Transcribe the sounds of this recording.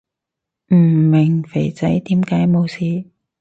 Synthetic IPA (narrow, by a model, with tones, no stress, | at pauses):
m̩˨˩mɪ˨˩ŋfe˨˩jt͡sɐ˨˥jt̪iː˨˥mkaː˨˥jmo˨˧wsiː˨˧